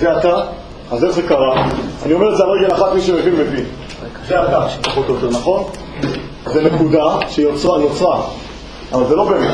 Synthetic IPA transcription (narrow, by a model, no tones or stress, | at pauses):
zeat̪a | azeχzekaʁaa̰nio̞me̞ʁet̪zeaʁeɡelaχat̪miʃemevinbevi | zeat̪apaχot̪jot̪eʁnaχo̞n | zenekud̪aʃeiot͡sʁanot͡sʁa | lavalzelo̞bemet̪